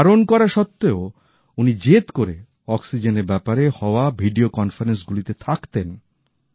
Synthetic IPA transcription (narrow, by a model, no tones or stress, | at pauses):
ɾonkɔɾaʃɔt̪ːeo | unid͡ʑet̪koɾe | ɔksid͡ʑeneɾbɛpaɾehɔoabʱiɖiokɔnfaɾens̬ɡulit̪et̪ʰakt̪en